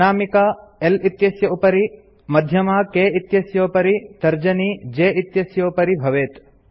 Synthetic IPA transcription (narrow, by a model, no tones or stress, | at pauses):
aːmikaːelit̪jɐsjɐupɐɾi | mɐd̪ʱjɐmaːkeːit̪jɐsjoːpɐɾit̪ɐɾd͡ʒɐniːd͡ʒeːit̪jɐsjoːpɐɾibʱɐʋeːt̪